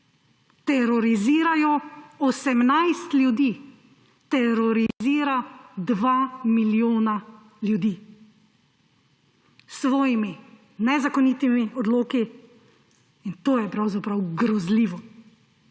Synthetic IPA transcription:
t̪ɛɾɔɾiziːɾajɔɔsɛmnajst̪ljud̪iː | t̪ɛɾɔɾiziːɾad̪ʋamiljoːna | ljud̪iː | sʋɔːjimi | nɛzakɔniːt̪imiʔɔd̪loːki | int̪oːjɛpɾawzapɾawɡɾɔzliːʋɔ

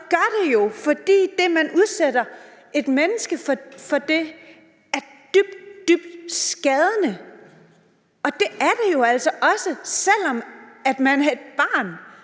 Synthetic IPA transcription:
ɡ̥ɶɐd̥e̝jo̝fɒ̽d̥ḭːd̥e̝mænuð̞ˠseɾ̥ɐ | e̝d̥menəsɡ̥əffɒ̽d̥e̝ | æɐd̥yb̥̚d̥d̥yb̥̚d̥sɡ̥ɛð̞ˠənə | ɒ̽d̥e̝ʔæɐd̥ejo̝æl̰sɒ̽ʔɒ̽səsel̰ɒmæd̥mænæe̝d̥̚b̥ɑ̈ːn

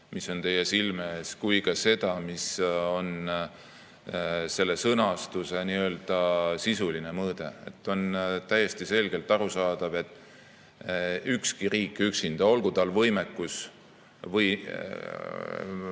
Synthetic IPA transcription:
misːo̞nt̪e̞jːe̞silme̞ːskujkɑse̞d̪̥ɑmiso̞n | se̞lːe̞sɤnɑst̪use̞niø̞ːld̪̥ɑsisuline̞mɤːd̪̥e̞ḛt̪ːˑo̞nt̪æjːe̞st̪ise̞lɡ̥e̞lt̪ːˑɑɾusɑːd̪̥ɑve̞t̪ːˑ | ykskiɾiːkːˑyksind̪̥ɑo̞lɡ̥ut̪ɑlvɤjmekːˑus | vɤj

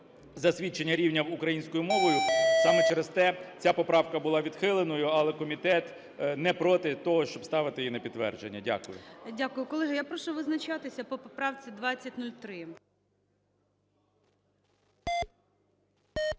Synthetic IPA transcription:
zɐsʲʋʲit͡ʃːenʲːɐɾʲiwnʲɐwʊkɾɐjinʲsʲkɔjʊmɔʋɔjʊsɑmɛt͡ʃɛɾest̪ɛt͡sʲapɔpɾɑwkɐbʊlˠɑʋʲid̪xɪlˠenɔjʊɐlˠɛkɔmʲit̪ɛt̪ | nɛpɾɔt̪ɪt̪ɔɦɔʃt͡ʃɔbst̪ɑʋɪt̪ɪjinɐpʲid̪tːʋɛ̰rd͡ʒenʲːɐdʲa̰kʊjʊ̰dʲakʊjʊkɔlˠɛɦɐjapɾɔʃʊʋɪznɐt͡ʃat̪ɪsʲɐpɔpɔpɾɑwt͡sʲid̪ʋɑt͡sʲːɐtʲnulʲt̪ɾɪ

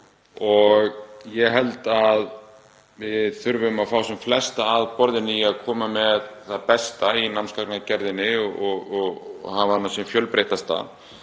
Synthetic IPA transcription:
ɔɣjɛɣɦɛlt̪að | vɪðθʏɾvʏʏmaðfaːwsɛmflɛst̪aːðpɔɾðɪnːɪiaðkʰɔːmamɛðθaðpɛst̪ainamnskaknacɛɾðɪnːɪɔɔɣɔɣhavaanːasjɛmfjœlpɾeːjht̪ast̪a̰

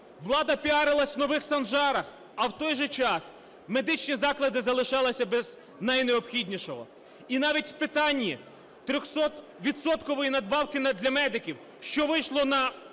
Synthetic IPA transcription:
ʋlˠɑd̪ɐpʲiɑɾɪlˠɐsʲwnɔʋɪxsɐnʒɑɾɐx | ɐwt̪ɔjʒɛt͡ʃɑs | me̞d̪ɪt͡ʃnʲizɑklˠɐd̪ɪzɐlˠɪʃɑlˠɪsʲɐbɛz | nɐjneɔpxʲidʲnʲiʃɔɦɔ̰ | inɑʋʲitʲwpɪt̪ɑnʲːi | t̪ɾʲɔxsɔt̪ | ʋʲit̪sɔt̪kɔʋɔjinɐd̪̚bɑwkɪnɐd̪lʲɐmɛd̪ɪkʲiw | ʃt͡ʃɔʋɪjʃlˠɔnɐ

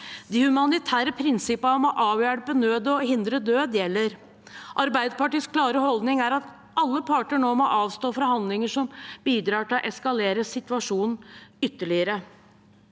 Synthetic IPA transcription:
d̪ɪhʉmɑnɪt̪ʰæːɾəpʰɾɪnsɪpɑmɔʔɑːʋjæɽpənøːd̪ɔɦɪnd̪ɾəd̪øːd̪jɛlːəɾ | ʔɑɾbæɪd̪əpɑʈiːskʰlɑːɾəhɔld̪nɪŋæɾɑt̪ | ʔɑlːəpʰɑːʈəɳoːmɔʔɑːʋst̪oːfɾɑhɑnd̪lɪŋəʂɔmb̥iːd̪ɾɑːʈɪlɔʔɛskɑleːɾəsɪt̪ʉɑʂuːnn̩ʏt̪ːəɭɪəɾə

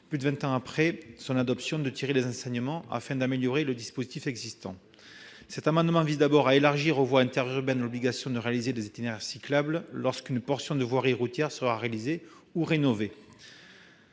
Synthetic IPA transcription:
plyd̪əvɛ̃t̪ɑ̃apχɛsɔ̃nad̪ɔpsjɔ̃d̪ət̪iʁelezɑ̃sɛɲəmɑ̃ʔa̰fɛ̃d̪ameljɔʁeləd̪ispozit̪ifɛɡzist̪ɑ̰̃ | sɛt̪amɑ̃d̪əmɑ̃vizd̪abɔʁaelaʁʒiʁovwaɛ̃t̪ɛʁyʁbɛnlɔbliɡasjɔ̃d̪əʁealized̪ezet̪inɛʁsiklabllɔʁskynpɔʁsjɔ̃d̪əvwaʁiʁut̪jɛʁsəʁaʁealize | uʁenɔve

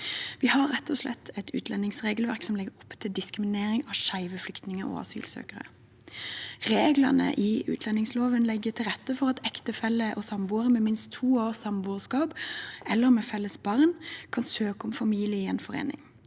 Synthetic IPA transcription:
ʋihɑɾːɛt̪ʰːɔslɛ̰t̪ʰːɛt̪ʉ̰ːt̪lɛnɪŋsʁeːɡəlʋæ̰ʁksɔmlɛɡəɾɔpːt̪ʰɪld̪ɪskʁɪmɪneːɾɪŋɑʃæɪʋəflʏkt̪nɪŋəʔo̰ɑ̰sy̰ːlsø̰ːkəʁə̰ | ʁeːɡlɑnə̰ʔɪʉ̰ːt̪ʰlɛnɪŋsloːʋənlɛɡːət̪ʰɪlʁɛt̪ːəfɔʁɑt̪ɛkt̪əfɛlːəʔɔsɑmbuːəʁəmɛmɪnst̪ʰːuːoːsɑmbuːʁskɑːbɛlːəʁmɛfɛlːəsbɑʁnkʰɑnsøːkɔmfɑmiːlɪəɪɛnfɔʁḛːnɪ̰ŋ

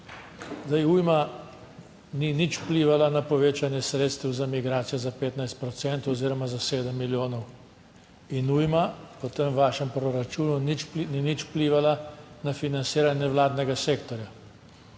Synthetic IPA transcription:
zd̪ajujma | ninit͡ʃwpliːʋalanapɔʋeːt͡ʃanjɛsɾeːt̪st̪ɛwzamiɡɾaːt̪sijɔzapeːt̪najst̪̚pɾɔt̪sɛnt̪ɔziːɾɔmazaseːd̪əmːiljoːnɔw | inujmapɔt̪əmʋaːʃɛmpɾɔɾat͡ʃuːnunit͡ʃninit͡ʃwpliːʋalanafinant̪siːɾanjɛʋlaːd̪nɛɡaseːkt̪ɔɾja

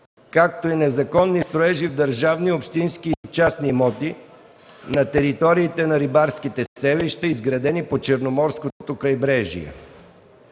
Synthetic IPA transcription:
kak̚t̪oinɛzɐkɔnːist̪ɾoɛʒivd̪ɐɾʒavniopʃt̪inskit͡ʃasnimɔt̪i | nɐt̪ɛɾit̪ɔɾiːt̪ɛnɐɾibaɾskit̪ɛsɛviʃt̪əizɡɾɐd̪ɛnipot͡ʃɛɾnomɔɾskot̪okɐjbɾɛʒḭɛ̰

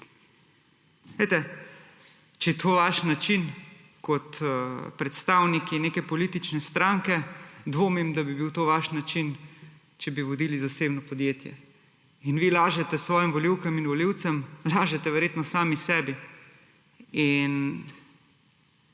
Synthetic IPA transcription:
ʋet̪ɛ | t͡ʃɛjɛt̪ʰoːʋaʃnat͡ʃin | kɔt̪pɾɛt̪st̪aːwnikineːkɛpɔliːt̪it͡ʃnɛst̪ɾaŋkɛd̪ʋoːmimd̪abibiwt̪oːʋaʃnat͡ʃin | t͡ʃɛbiʋɔd̪iːlizaseːbnɔpɔd̪jeːt̪jɛ̰ | inʋilaːʒɛt̪ɛsʋɔːjimʋɔliwkɛminʋɔliwt̪sɛmlaːʒɛt̪ɛʋɛɾjeːt̪nɔsaːmisɛːbi | in

